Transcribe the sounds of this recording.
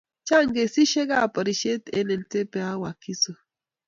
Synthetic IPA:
t͡ʃa˦ŋɡe˨si˦ʃe˦ɡa˦˨pa˨ɾi˨ʃe˦t̪e˦ne˨nte˦pe˨a˦wa˨ki˦so˨

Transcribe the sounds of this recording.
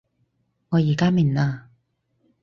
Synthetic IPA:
ŋɔː˨˧jiː˨˩kaː˥miː˨˩naː˧

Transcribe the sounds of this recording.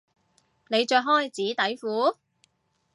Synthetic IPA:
ne˨˧jt͡ʃœː˧ɦɔː˥jt͡siː˨˥t̪ɐ˨˥jfuː˨˥

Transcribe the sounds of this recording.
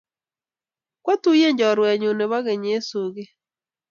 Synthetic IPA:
kwa˦tu˦je˦ɲd͡ʒɔ˨ɾwɛ˨ɲo˨ne˨βa˦ɣe˨ɲe˦so˨ɣe˦

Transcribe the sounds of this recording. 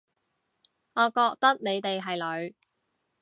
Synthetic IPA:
ŋɔː˨˧kɔː˧k̚t̪ɐ˥k̚ne˨˧jt̪e˨jɦɐ˨jlɵ˨˧ɥ

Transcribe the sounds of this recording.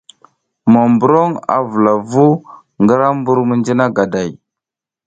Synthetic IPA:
ma˨mbu˨ɾo˦ŋa̰˨və˨la˨vu˦ | ŋɡə˦ɾa˦mbu˦ɾmə˦nd͡ʒi˦na˦ɡa˨da˨j

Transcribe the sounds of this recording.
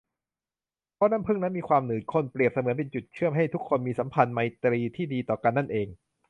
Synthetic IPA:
pʰɔ˦˥naː˦˥˨mpʰɯ˥˩ŋna˦˥nmiː˧kʰwaː˧mnɯː˨˩kʰo˧˥˩npli˨˩əp̚sa˧mɯ˨˩˦ənpe˧nt͡ɕu˨˩t̪̚t͡ɕʰɯ˥˩əmɦa˥˩jt̪ʰu˦˥kʰːo˧nmiː˧sa˩˦mpʰa˧nma˧jt̪ɾiː˧t̪ʰiː˥˩diː˧t̪ɔː˨˩ka˧nːa˥˩nʔeː˧ŋ

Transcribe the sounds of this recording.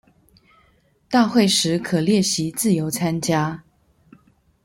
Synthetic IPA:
t̪a˥˧xwe˥˩ɪʂɻ̩˧˥kʰɤ˨˩ljɛ˥˩ɕi˧˥t͡sɹ̩˥˩jo˧˥ʊt͡sʰa˥nt͡ɕja˥

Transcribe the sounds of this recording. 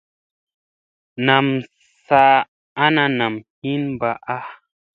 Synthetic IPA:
na˨m | sa˦˧ | a˦na˧na˨mhi˦nba˨ʔa˦

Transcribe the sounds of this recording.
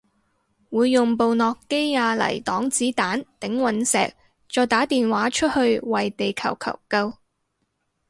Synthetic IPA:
wuː˨˧jːʊ˨ŋpo˨˧wnɔː˨kːe˥jŋaː˧lɐ̰˨˩jt̪ɔː˨˥ŋt͡siː˨˥t̪aː˨˥nt̪ɪ˨˥ŋwɐ˨˧˥nsɛ̰ː˨k̚ | t͡ʃɔː˨jt̪aː˨˥t̪iː˨nwaː˨˥t͡ʃʰɵ˥t̚hɵ˧ɥwɐ˨jt̪e˨jkʰɐ̰˨˩wkʰɐ̰˨˩wkɐ˧w

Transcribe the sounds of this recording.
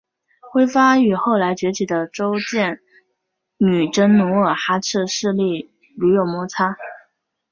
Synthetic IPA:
xwe˥ɪfa˥y˨˩xo˥˩ʊla˧˥ɪt͡ɕɥɛ˧˥t͡ɕʰi˨˩d̪ə˦ʈ͡ʂo˥ʊt͡ɕjɛ˥˩n | ny˨˩ʈ͡ʂə˥nnu˧˥ə˨˩xa˥ʈ͡ʂʰɻ̩˥˧ʂɻ̩˥˧li˥˩ | lu˧˥jo˨˩ʊmɔ˧˥t͡sʰa˥

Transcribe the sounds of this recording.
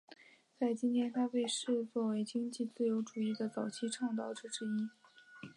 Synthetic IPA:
t͡sa˥˩ɪt͡ɕi˥nt̪ʰjɛ˥nt̪ʰa˥pe˥˧ɪʂɻ̩˥˧t͡swɔ˥˩we˥ɪt͡ɕi˥ŋt͡ɕi˥˧t͡sɹ̩˥˩jo˧˥ʊʈ͡ʂu˨˩i˥˩d̪ə˩t͡sɑ˨˩ʊt͡ɕʰi˥ʈ͡ʂʰɑ˥˧ŋt̪̬ɑ˥˩ʊʈ͡ʂɻ̩˥ʈ͡ʂɻ̩˥i˥

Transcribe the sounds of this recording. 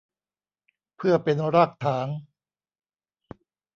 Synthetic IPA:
pʰɯ˥˩ɐpe˧nɾa˥˩k̚t̪ʰaː˩˦ŋ

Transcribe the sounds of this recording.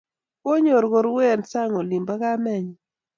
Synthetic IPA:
o˦ɲo˨ɾɡo˨ɾwe˦˨nsa˦ŋo˨li˨mba˦ka˦mɛ˦˨ɲ˨

